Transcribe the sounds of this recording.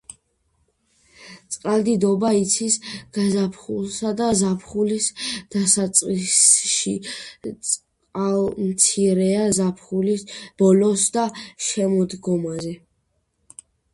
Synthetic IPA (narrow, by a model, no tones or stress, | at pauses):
t̪sʼqʼald̪id̪ɔbait̪sʰisɡ̥azapʰχulˠsad̪azapʰχulisd̪̥asat̪sʼqʼisʃit̪sʼ | qʼalmt̪sʰiɾɛazapʰχulisb̥ɔlɔsd̪aʃɛmɔd̪ɡɔmazɛ